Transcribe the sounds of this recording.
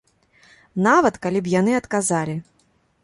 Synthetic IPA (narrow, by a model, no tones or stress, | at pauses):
navɐt̪kalʲip̬janɨɐt̪kazalʲi